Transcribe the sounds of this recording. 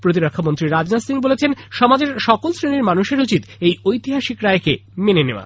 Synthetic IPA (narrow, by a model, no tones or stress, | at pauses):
pɾot̪̬iɾokʰːamont̪ɾiɾad͡ʑnasinbolet͡ɕʰenʃɔmad͡ʑeɾʃɔkolsɾeniɾmanuʃeɾut͡ɕit̪ejojt̪iɦaʃikɾaekemeneneoa̰